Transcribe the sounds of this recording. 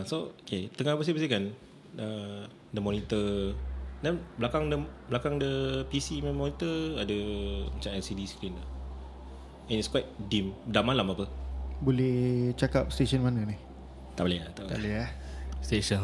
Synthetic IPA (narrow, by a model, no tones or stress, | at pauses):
sooket̪əŋahabəs̬ibəsikan | ə | dəmɔnit̪ə | dɛnbəlakaŋdəblakaŋdəpisimmɔnit̪əadəmat͡ʃamɛlsidiskɾinda | ɛ̃nitskwajt̪̚dimdamalamapəbolɛht͡ʃakap̚st̪eʃənmananih | t̪aʔbalejat̪at̪a̰ʔleast̪eʃən